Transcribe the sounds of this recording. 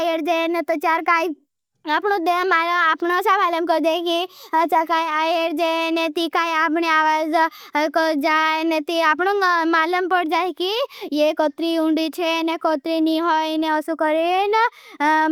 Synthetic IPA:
jəɾd͡ʒenet̪ot͡ʃjaɾkaj | apɳũd̪emalapɳosamaləmkəɾd͡ʒajkit͡ʃakajajəɾd͡ʒenet̪ikajapɳeaʋad͡ʒkəd͡ʒajnet̪iapɳ̃ũmaləmpəɽd͡ʒajkijekot̪ɾiũɳɖit͡ʃʰenekot̪ɾiniɦojneəsukəɾin

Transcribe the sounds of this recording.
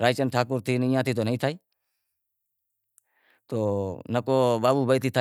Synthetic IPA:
ɾaːjt͡ʃənʈʰaːkʊɾt̪ʰiːnĩjãːt̪ʰiːt̪̬oːnəĩt̪ʰaːiː | t̪oːnəkoːbaːbuːbəjt̪iːt̪ʰa

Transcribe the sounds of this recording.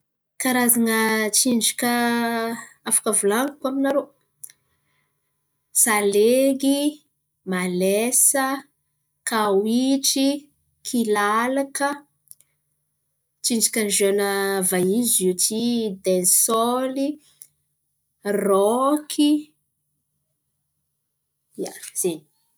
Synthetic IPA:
kaɾazaŋət͡ʃiɳɖ͡ʐikə | afḁkəvulaŋukwaminaɾo | saleɡi | malesə | kawiʈ͡ʂi | kʰilalakə | t͡ʃiɳɖ͡ʐikʲand͡ʒonəvajizutid̪ensɔli | rɔkʰi | ja̰z̥eni̥

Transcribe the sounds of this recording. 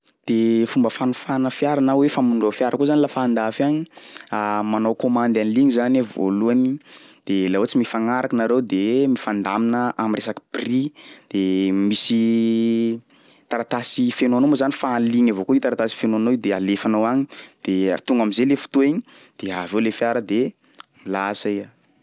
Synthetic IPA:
d̪̥efumbəfanufanəfjaɾanawefamuɳɖ͡ʐafjaɾakozanilafaːnd̪afaɲiamanowkomand̪aniliɲizanevo̰luanid̪̥elaot͡simifaŋaɾakənaɾewd̪emifand̪aminəamiresaki̥brid̪̥emisi | t̪aɾat̪asifenoanomozanifanliɲavokoit̪aɾat̪asi̥fenoanoid̪ealefanoaɲid̪̥et̪uŋɡamizelefu̥t̪uiɲi̥d̪̥eavewlefjaɾəd̪e | lasaia

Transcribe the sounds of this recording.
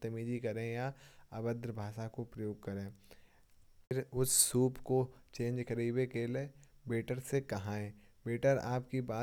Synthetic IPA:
t̪ɐmiːd͡ʒikɐɾẽjaɐbəd̪ɾbʱaːʃakopɾɐjoːɡ̚kɐɾẽː | pʰɪɾʊsːuːpkot͡ʃẽːnd͡ʒkɐɾiːbekeːleːbeːʈəɾsekɐɦãẽː | beːʈəɾa̰ːpkibaː

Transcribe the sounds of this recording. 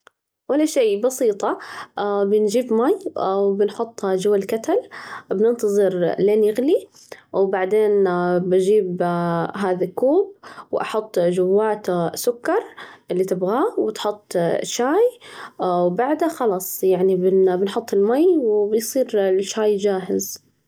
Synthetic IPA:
walːaʃeːbɑsiːt̪ˤɑ | bɪnd͡ʒiːbmajwbɪnħʊt̪ˤːd͡ʒʊwːalkat̪albnɪnt̪ɑðˤɨɾleːnjɪɣli | wbaʕd̪eːnbad͡ʒiːbɦaːðakːuːb̚wʔɑ̰ħʊt̪ˤːd͡ʒʊwːaːt̪sʊkːɑɾˤʔɪlːit̪ɪbɣaːwɪt̪ħʊt̪ˤːʃaːj | wbaʕd̪axɑlɑsˤjaʕnibɪbɪnħʊt̪ˤːɪlmajwbɪjsˤiːɾʃaːjd͡ʒaːɦɪ̰z

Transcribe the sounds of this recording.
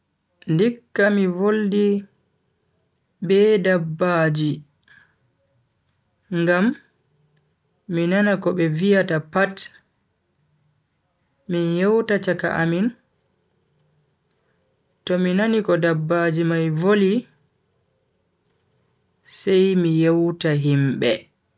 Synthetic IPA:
ndikːamivoldi | bɛdabːad͡ʒi | ŋɡam | inanakɔɓɛvijatapat | minjɛwtat͡ʃaka̰ʔamin | tɔminanikɔdabːad͡ʒimajvoli | sɛjmijɛwtaɦimbɛ

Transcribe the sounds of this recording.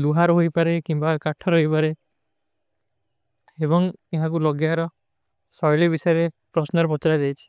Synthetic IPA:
luɦaɾɦojpaɾekimbakaʈʰɔɾɦojpaɾe | ebɔŋiɦãk̬ulɔɡjaɾɔ | sɔjlibisɔjɔɾepɾɔsnɔɾpɔt͡ʃɾad͡ʒajt͡ʃʰi̥

